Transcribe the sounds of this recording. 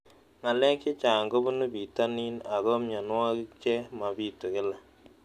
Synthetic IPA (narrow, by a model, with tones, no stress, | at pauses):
ŋa˨lɛ˦kɪ˦t͡ʃa˨ŋɡo˦bʊ˦nu˦bi˨ta˦ni˦na˨ɣɔ˦mɲa˨nwa˦kɪ˦t͡ʃɛ˦ma˨bi˦to˨kɪ˦la˨